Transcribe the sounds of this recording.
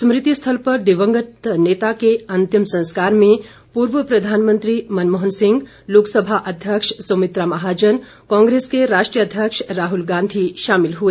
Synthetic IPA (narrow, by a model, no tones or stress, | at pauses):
smɾɪt̪ist̪ʰəlpɐɾd̪ɪʋə̃ŋɡət̪neːt̪akeɐ̃nt̪imsɐ̃nskaːɾmẽ | puːɾʋəpɾɐd̪ʱaːnmə̃nt̪ɾimɐnmɔɦənsɪ̃ŋɡ | loːksəbʱaʔɐd̪ʱjəkʃsomɪt̪ɾamaɦaːd͡ʒən | kãːŋɡɾeːskeɾaːʃʈɾijəd̪ʱjəkʃɾaːɦulɡãːnd̪ʱiʃaːmɪlɦue